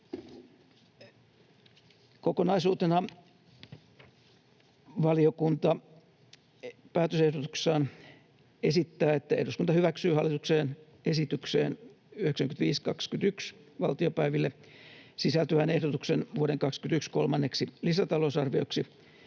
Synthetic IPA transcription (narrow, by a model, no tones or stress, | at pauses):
kokonɑisuːt̪enɑ | ʋɑliokunt̪ɑ | pæːt̪øsehdot̪u̥ksˑɑːn | esit̪ːæːet̪ːæḛhruskunt̪ɑhyʋæksyːhɑlːˑit̪ukseːn | esit̪yksḛːn | yheksæŋkynt̪ʋiːskɑkskyt̪yksʋɑlt̪iopæiʋilːe | sisælt̪yʋænehdot̪uksenʋuoɾeŋkɑkskynt̪ykskolmɑnːeksilisæt̪ɑlosɑrʋioksi